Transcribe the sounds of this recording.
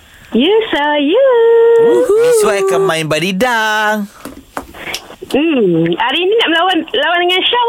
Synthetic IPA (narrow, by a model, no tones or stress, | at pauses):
jɛsoju | isuwajkamãinbadidaŋ | m̩aɾiininaʔmlawanlawandəŋanʃo